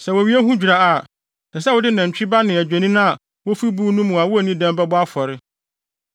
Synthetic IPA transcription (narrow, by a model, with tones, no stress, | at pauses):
sɛ˨wɔ˨wi˦e˦ɦũ˦d͡ʑᶣu˨ɾa˦a˨ | na˨s̬ɛ˦wʊ˦dɪ˦nã˨ɲ˨t͡ɕᶣi˦ba˦nɪ̃˨æ˨d͡ʑᶣæ˨nĩ˦nã˦a˨ | wo˦fi˦buː˦nũ˦mũ˨a˨wʊ˦æ˨nĩ˦dɛ̃˦mbɛ˦bʊ˦a˦fɔ˨ɾɪ˦